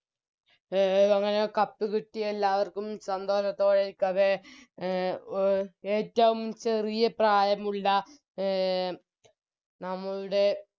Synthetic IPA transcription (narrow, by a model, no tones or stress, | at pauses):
ɐŋːɐnekɐpːɨkiʈːijelːaːʋɐrkumsɐnd̪o̞ːʂɐt̪ːo̞ːɭeikːɐðe | eːtːɐʋumt͡ɕe̞rijɐpraːjɐmuɭːɐ | nɐmːɐɭuɽe̞